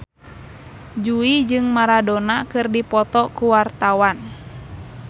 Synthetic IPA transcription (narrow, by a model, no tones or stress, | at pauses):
d͡ʒuid͡ʒɨŋmaɾadɔnakɨrdipɔt̪ɔkuwart̪awan